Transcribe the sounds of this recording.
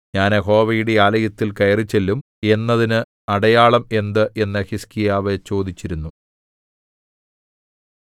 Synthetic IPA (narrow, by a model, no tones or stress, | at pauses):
ɲaːneɦo̞ːʋɐjuɽeaːlɐjɐt̪ːilkɐjɐrit͡ɕːelːum | e̞nːɐðinɨ | ɐɽɐjaːɭɐme̞nd̪ɨʔe̞nːɐhiskijaːʋet͡ɕo̞ːd̪it͡ɕːiɾunːu